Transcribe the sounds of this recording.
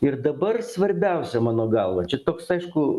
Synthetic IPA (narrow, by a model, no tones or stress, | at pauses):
ɪrd̪ɐbɐrsʋɐɾʲbʲɛʊsʲɛmɑːnoːɡɐlˠʋɐt͡ʃʲɛt̪oːksɐɪʃkʊ